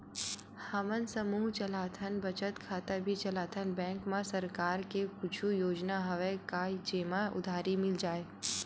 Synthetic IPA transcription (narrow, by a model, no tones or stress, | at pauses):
hamənsəmuːɦt͡ʃəlaːt̪ʰənbɐt͡ʃət̪kʰaːt̪abʱit͡ʃɐlaːt̪ʰənbɛ̃ːŋkmãsɐɾkaːɾkekʊt͡ʃʰujoːd͡ʒnaɦɐʋekaːid͡ʒeːmaʔʊ̰d̪ʱaːɾimɪld͡ʒaːeː